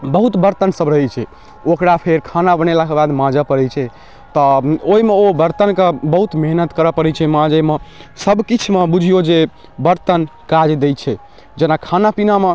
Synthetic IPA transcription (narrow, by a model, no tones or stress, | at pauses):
bəɦut̪bəɾt̪ənsəbɾəɦɛt͡ʃʰɛ | okɾapʰeɾkʰanabənelakebad̪mãd͡ʒəpəɾɛt͡ʃʰɛ | t̪ɔoimeobəɾt̪ənkebəɦut̪meɦnət̪kəɾəpəɾɛt͡ʃʰɛmãd͡ʒemesəbkit͡ʃʰmebud͡ʒʱijod͡ʒe | bəɾt̪ənkad͡ʒd̪ejt͡ʃʰɛ | d͡ʒenakʰanapiname